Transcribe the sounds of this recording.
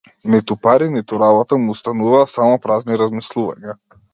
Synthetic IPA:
mɛt̪upaɾinɛt̪uɾabat̪amuːst̪anuvaːsamɔpɾazniɾazmislˠuva̰ɲa

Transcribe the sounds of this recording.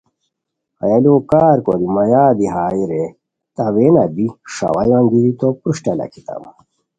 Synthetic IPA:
ɐ̰jɐloːkaːɾkod̪imɐjaːb̪iɦaːiɾe | t̪ɐwenɐb̪iʂɐ̰wɐjaŋɡiɾit̪opɾuʂʈɐlɐ̰kit̪a̰m

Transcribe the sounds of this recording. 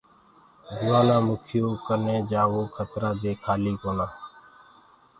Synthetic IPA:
d͡ʒʊːaːnãːmʊkʰɪjoːkəneːd͡ʒaːʋoːkʰət̪ɾaːd̪eːkʰaːliːkoːnaː

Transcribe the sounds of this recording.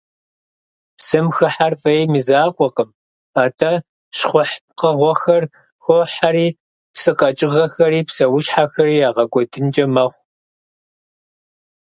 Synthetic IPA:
psɨmxɨħarfʼɐjmizaːqʷʼɔqəm | aːtʰɐ | ʃχʷʊħqəʁʷɔxɐr | xʷoħaɾiː | psɨqʼɐt͡ʃʼɪʁɐxɐɾiːpsɐwʊʃħaxɐɾiːjaːʁɐɡʷɔdɨnd͡ʒʼɐmɐχʷ

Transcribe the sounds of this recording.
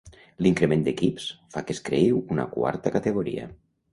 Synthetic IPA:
liŋkɾemend̪ekipsfakeskɾeiwuna̰kwa̰ɾt̪akat̪eɣ̞oɾḭa̰

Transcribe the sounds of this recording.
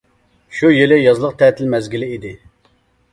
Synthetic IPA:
ʃujelɪjɑzlˠəq̚t̪ʰɛt̪ʰɪlmɛzɡʲilɪid̪ɪ

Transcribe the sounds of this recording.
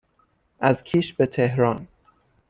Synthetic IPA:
ʔæzkʰiːʃbet̪ʰeɦɾɒːn

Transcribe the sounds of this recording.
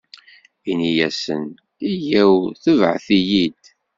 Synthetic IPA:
inijæsə̰n | ijæwθəvʕθijid̪

